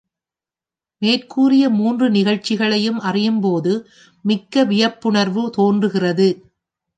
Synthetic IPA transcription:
meːrkuːrɪjɐmuːndrɯnɪɣɐɻt͡ʃːɪɣɐɭɐjɯmʔɐrɪjɯmpoːðɯ | mɪkːɐʋɪjɐpːʊɳɐɾʋɯt̪oːndrɯɣɪrɐðɯ

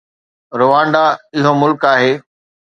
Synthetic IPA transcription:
ɾʊʋãːɳɖaɪɦomʊlkaːɦeː

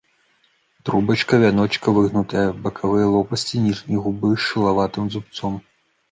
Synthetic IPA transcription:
t̪ɾubɐt͡ʃkɐvʲanɔt͡ʃkɐvɨɣnut̪ɐjɐbɐkʰavɨjɐlˠɔpɐsʲt͡sʲinʲiʐnʲiɣubɨʃɨlˠavat̪ɨmd̪zupt̪sɔm

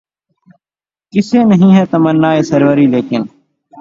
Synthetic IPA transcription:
kɪseːnəɦĩːɦɛːt̪əmənːaːeːsəɾʋəɾiːleːkɪn

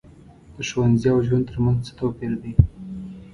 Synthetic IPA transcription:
d̪̥əʃowanziawʒwan̚t̪ʰəɾmanzt͡sə̥t̪opeɾd̪i

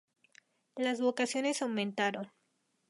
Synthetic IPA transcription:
lazβo̞kasjo̞ne̞sawmẽnt̪aɾo̞n

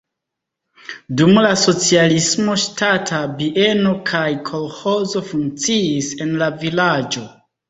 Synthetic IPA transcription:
dumlaso̞t͡sialismo̞ʃtatʰabiʔe̞no̞kʰajkʰo̞lho̞zo̞fuŋk̚t͡siːse̞nlavilad͡ʒo̞

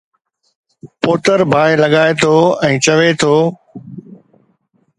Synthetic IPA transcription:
poːt̪əɾbʱaːẽlɐɠaːet̪ʰoːɛ̃ːt͡ɕɐʋet̪ʰoː

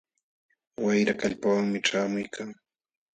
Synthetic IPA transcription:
wajɾakaʎpawaŋmɪʈ͡ʂaːmʊjkʰaŋ

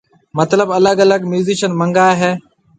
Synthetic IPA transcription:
mət̪ləbələɡələɡmjuːziːʃənmə̃ŋɡaːeɦɛː

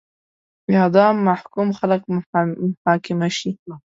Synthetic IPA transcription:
biad̪ˤɑːmːaħkuːmxalaq̚ | ħaːkɪmaʃi

